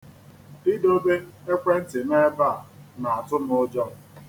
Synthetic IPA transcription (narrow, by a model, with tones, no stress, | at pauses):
ɪ˦do˦be˦e˦kʷe˦n̩˦tɪ˨ne˦ba˦˨a˨na˨a˨tʊ˦mʊ˦d͡ʒɔ˦˨